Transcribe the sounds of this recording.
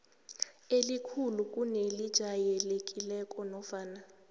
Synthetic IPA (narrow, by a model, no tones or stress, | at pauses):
elikʰuluk̬ʼunelid̥ʒ̥ʱajɛlekʼilɛkʼɔnɔfaːna